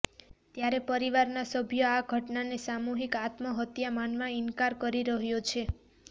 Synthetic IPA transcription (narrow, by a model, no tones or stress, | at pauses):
t̪jaɾepəɾiʋaɾnasəbʱjəaɡʱəʈnanesamuɦikat̪mɔɦət̪jamanmãinkaɾkəɾiɾəɦjot͡ʃʰe